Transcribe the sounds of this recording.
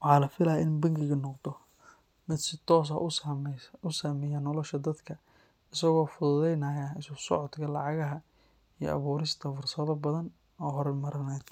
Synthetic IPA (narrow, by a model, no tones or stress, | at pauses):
wɑħɑːlɐfɪlɐjʔɪnbɐŋɡɪɣɐnɔqd̪ɔ | mɪd̪sɪt̪ʰɔːs̬ɐ̰ʔmʊsaːmɛjanɔlɔʃɐd̪ɐd̪kʰɐ | ɪsɐɣɔːfʊðʊðɛjnɐjɐɪssɔʕɔd̪kʰɐlɑʕɑɣɐɦɐ | ijɔ̰ʔɐ̰βuːɾɪst̪ʰɐfʊrsɐðɐbɐðɐn | ɔːɦɔɾɛmɐɾɐnɛːd̪